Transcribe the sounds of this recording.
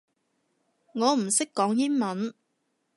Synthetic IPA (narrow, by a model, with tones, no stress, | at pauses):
ŋɔː˨˧m̩˨˩sɪ˥kːɔː˨˥ŋjiː˥nmɐ˨˦˥n